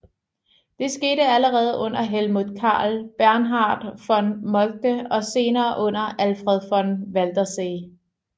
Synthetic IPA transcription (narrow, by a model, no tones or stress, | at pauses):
d̥e̝sɡ̥e̝̰ːɾəæləʁɛːð̞̩ˠʔɔ̽n̰ɐɦelmuðˠkʰɑ̰̈ːlb̥æɐnɦɑ̈ːd̥fɒnmɒ̽l̚d̥əɒ̽se̝ːnɐːʔɔ̽n̰ɐʔælfʁɛð̞ˠfɒ̽nʋæld̥ɐseː